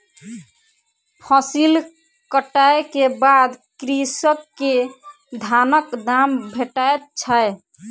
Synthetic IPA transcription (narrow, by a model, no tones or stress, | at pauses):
pʰɔsil | kəʈaekebad̪kɾisəkːe | d̪ʱanəkd̪ambʱeʈaet̪̚t͡ʃʰaj